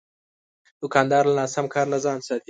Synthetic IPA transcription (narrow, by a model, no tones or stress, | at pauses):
d̪ʊkɑːnd̪ɑːɾlanɑːsamkʰɑːɾnazɑːnsɑːt̪i